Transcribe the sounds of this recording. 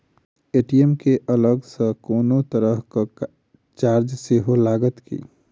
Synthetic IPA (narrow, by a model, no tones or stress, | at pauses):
eʈiemkeʔələɡsə̃koːnot̪əɾəɦkə | t͡ʃaɾd͡ʒseɦolaɡət̪kḭ